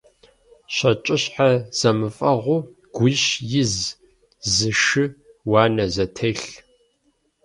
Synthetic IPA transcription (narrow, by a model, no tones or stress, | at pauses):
ɕɐt͡ʃʼɪɕħaz̥ɐmɨfʼɐʁʷʊ | ɡ̥ʷʊɕjɪz | zɨʃɨ | wɑːnɐzɐtʰɐɬ